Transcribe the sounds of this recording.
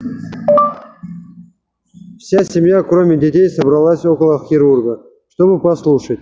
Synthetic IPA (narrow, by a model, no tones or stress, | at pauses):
fsʲasʲɪmjakɾo̞mʲɪdʲɪtʲejsəbɾɐlˠasʲo̞kəlˠəxʲɪɾurɡə | ʂt̪o̞bɨpɐslˠuʂətʲ